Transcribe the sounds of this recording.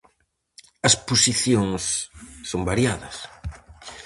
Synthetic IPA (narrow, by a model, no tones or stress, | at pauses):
ɐsposiθjoŋsːombaɾjaðɐs